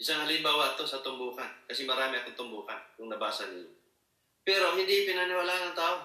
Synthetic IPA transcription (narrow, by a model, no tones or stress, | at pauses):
ʔɪsaŋhɐlɪmbaːwɐt̪o̞sɐt̪ʊmbuːkɐnkɐsɛmɐɾaːmɪɐkont̪ʊmbuːkankʊŋnɐbaːsɐnɪ̰ɲo | pɛːɾo̞hɪnd̪ipɪnɐnɪwalaːʔanɐŋt̪aːʔo